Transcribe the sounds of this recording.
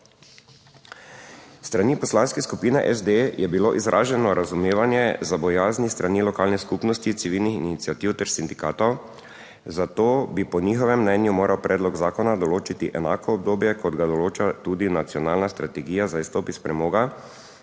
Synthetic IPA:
st̪ɾaniːpɔslanskɛskupiːnɛʔɛzd̪ejʔɛbiloʔizɾʔa̰ːʒɛnɔɾazumeːʋanjɛzabɔjaːznist̪ɾanilɔkaːlnɛskupnɔst̪it̪siʋilnixḭnit̪siat̪iːwt̪ɛɾsind̪ikaːt̪ɔw | zat̪oːbipɔnixɔʋɛmːnɛnjumoːɾʔawpɾʔɛːd̪lɔɡzaːkɔnad̪ɔloːt͡ʃit̪iʔɛnaːkɔːb̚d̪oːbjɛkʰɔd̪ɡad̪ɔloːt͡ʃat̪ud̪inat̪sijɔnaːlnast̪ɾat̪ɛɡiːjazaist̪oːpispɾɛmoːɡa

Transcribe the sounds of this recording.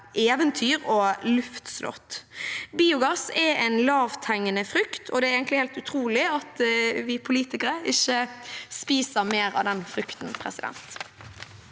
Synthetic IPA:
ʔeːʋənt̪ʰyːɾɔlʉft̪slɔ̰t̪biːʊɡɑsɛɛɪnlɑːʋt̪ʰæŋːənəfɾʏkt̪ʰɔd̪ɛæɾeːɡənlɪheːlt̪ʉt̪ʰɾuːlɪɑt̪ʋɪpʰʊliːt̪ɪkəɾəɪçːəspiːsəɾmeːɾɑ̰ʋd̪ɛnfɾʏkt̪n̩pʰɾɛ̰sɪd̪ɛ̰nt̪

